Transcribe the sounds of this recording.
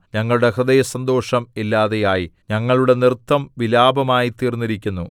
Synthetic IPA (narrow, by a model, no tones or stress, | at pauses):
ɲɐŋːɐɭuɽe̞hrɐðɐjɐsɐnd̪o̞ːʂɐmilːaːðejaːjiɲɐŋːɐɭuɽe̞nirt̪ːɐmʋilaːbɐmaːjit̪iːrnːiɾikʲːunːu